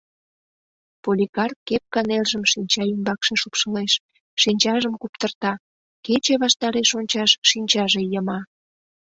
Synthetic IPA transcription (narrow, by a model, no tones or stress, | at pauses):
polʲikɑrkːep̚kɑnelʒəmʃinʲt͡ɕɑymbɑkʃeʃupʃəleʃ | ʃinʲt͡ɕɑʒəmkupt̪ərt̪ɑ | ket͡ɕeβɑʃt̪ɑɾeʃonʲt͡ɕɑʃʃinʲt͡ɕɑʒejəmɑ